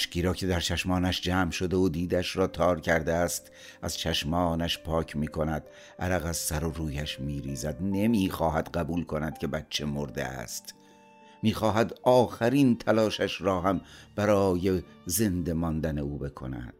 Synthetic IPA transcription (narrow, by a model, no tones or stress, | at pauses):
ʃciːɾɒːcʰe̞d̪æɾt͡ʃʰæʃmɒːnæʃd͡ʒæːmʃod̪eod̪iːd̪æʃɾɒːt̪ʰɒːɾcʰæɾd̪eæst̪ | ʔæz̥t͡ʃʰæʃmɒːnæʃpʰɒːcʰmiːkʰo̞næd̪̥ | ʔæɾæɣæzsæɾoɾuːjæʃmiːɾiːzæd̪ne̞miːxɒːhæd̪̥ɢæbuːlkʰo̞næd̪̥cʰʲe̞bætt͡ʃʰːe̞moɾd̪ḛæ̰st̪ | miːxɒːɦæd̪ɒːxæɾiːnt̪ʰælɒːʃæʃɾɒːɦæmb̥æɾɒːjeze̞nd̪e̞mɒːnd̪æne̞uːbe̞kʰo̞̰næ̰d̪̥